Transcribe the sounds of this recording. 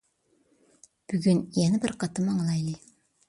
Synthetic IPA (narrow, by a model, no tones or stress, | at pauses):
b̥yɡʲynjɛnɪbɪɾqɑt̪ɯmɑɴlˠɑjlˠi